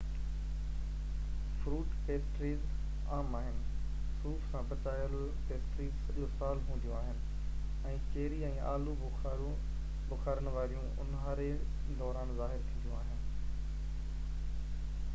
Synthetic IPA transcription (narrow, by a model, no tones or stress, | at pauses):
fɾuːʈpeːsʈɾiːz | aːmaːɦɪnɪ̆ | suːfsãpɐt͡ɕaːjəl | peːsʈɾiːzsɐʄosaːlɦũːnd̪ijũaːɦɪnɪ̆ | ɛ̃ːt͡ɕeːɾiɛ̃ːʔa̰ːlubʊxaːɾũ | bʊxaːɾənɪ̆ʋaːɾijũʊ̰nɦaːɾe | d̪ɔːɾaːnzaːɦɪɾt̪ʰĩːd̪jũaːɦɪnɪ̆